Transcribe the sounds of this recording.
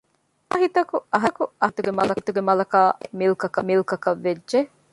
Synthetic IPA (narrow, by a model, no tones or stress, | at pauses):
ɐɦit̪ɐkuʔɐɦɐkuɐt̪uɡemɐlɐt̪uɡemɐlɐkaːmilukɐkɐmilukɐkɐʋːed͡ʒːʒe